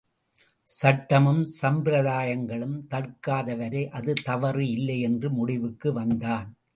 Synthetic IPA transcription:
sɐʈːɐmɯmsɐmbɪɾɐðaːjɐŋɡɐɭɯmt̪ɐrkaːðɐʋɐɾeʔɐðɯt̪ɐʋɐɾɯɪlːɐɪɛndrɯmʊɽɪʋɯkːɯʋɐnd̪aːn

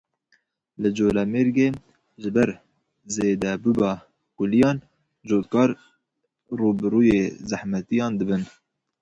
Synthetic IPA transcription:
lɨd͡ʒoːlɛmeɾɡeː | ʒɨbɛɾ | zeːd̪ɛbubɑ | kʊlijɑːn | ʒoːt̪kɑːɾ | ruːbɨɾuːjeːzahmɛt̪ijɑːnd̪ɨbɨn

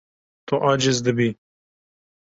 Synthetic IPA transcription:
t̪oʔaːd͡ʒɪzd̪əbi

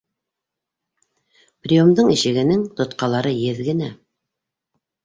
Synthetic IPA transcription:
prʲiomd̪ɤɴiʃɘ̆ɡɘ̆nɘŋt̪ŏt̪qɑlˠɑɾɤjɘðɡɘ̆næ

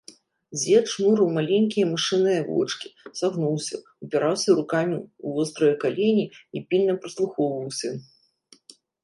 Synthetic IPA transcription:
zʲɛt͡ʂmuɾɨwmalʲenʲkʲijɐmɨʂɨnɨjɐvɔ̰t͡ʂkʲi̥saɣnuwsʲɐ̰ | upʲiɾawsʲɐɾukamʲiuvɔst̪ɾɨjɐkalʲenʲiipʲilʲnɐpɾɨslˠuxɔwvɐwsʲɐ

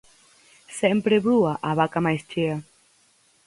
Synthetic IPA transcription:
sɛmpɾeβɾuaʔaβakamajst͡ʃea

